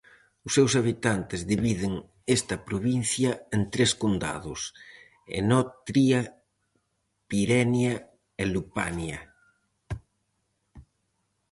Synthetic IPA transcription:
ʊsːewsaβ̞it̪ant̪ezðiβiðeŋ | est̪ɐpɾoβin̟θjaent̪ɾeskond̪a̰ðʊs | ḛnɔt̪ɾia | piɾɛnja | elupa̰nja

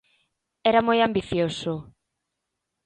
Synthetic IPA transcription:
ɛɾamojambiθjosʊ

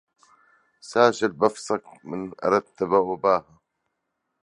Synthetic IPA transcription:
saːʃal̚bɑfsˤɑkmɪnʔɑ̰ɾˤɑt̪ːabawabaːha

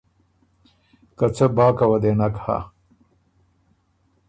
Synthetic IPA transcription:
kat͡səbɑːkawad̪enakha̰

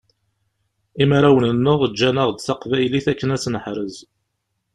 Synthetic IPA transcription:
imaɾawənənːəʁd͡ʒːænəʁd̪θaqvæjliθækːənæsnəħɾəz

